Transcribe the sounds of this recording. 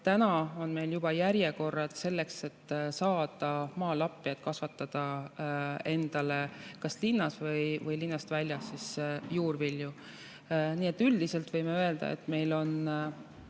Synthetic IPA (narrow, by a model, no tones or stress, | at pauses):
t̪ænɑo̞nme̞jljub̥ɑjæɾjeko̞rːɑd̪se̞lːe̞kse̞t̪ːsɑːd̪̥ɑmɑːlɑpːˑijɑt̪̚kɑsvɑt̪ːˑɑd̪̥ɑ | e̞nd̪̥ɑle̞kɑslinːɑsvɤjvɯjlinːɑst̪vælʲjɑsːisjuːrvilju | niːe̞t̪ːˑyld̪̥ise̞lt̪vɤjmeø̞e̞ld̪̥ɑ̰ḛt̪ːˑme̞jlo̞n